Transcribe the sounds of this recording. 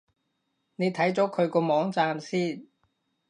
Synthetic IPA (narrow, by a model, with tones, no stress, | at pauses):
ne˨˧jt̪ʰɐ˨˥jt͡sɔː˨˥kʰɵ˨˧ɥkɔː˧mɔː˨˥ŋt͡saː˧msiː˥˩n